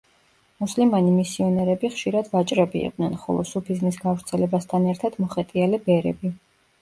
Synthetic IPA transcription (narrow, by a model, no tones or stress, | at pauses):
muslimanimisiɔnɛɾɛbiχʃiɾad̪vat͡ʃʼɾɛbiḭqʼd̪nɛnχɔ̰lˠɔ̰supʰiznisɡavɾt̪sʰɛlɛbast̪ʰanɛɾt̪ʰad̪̥mɔχɛt̪ʼialɛbɛɾɛ̰bi